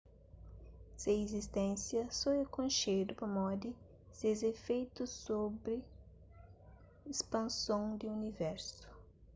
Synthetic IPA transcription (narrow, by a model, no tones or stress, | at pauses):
seezist̪ẽnsjɐsoekõʃejd̪ʊpʊmɔd̪ɪ | sezefejt̪ʊsobɾɪ | espɐ̃nsõwd̪ɪunivɛɾsʊ̥